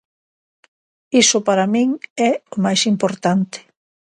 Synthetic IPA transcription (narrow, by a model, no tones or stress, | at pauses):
isʊpaɾamĩŋɛʊmajsimpoɾt̪ant̪ɪ̥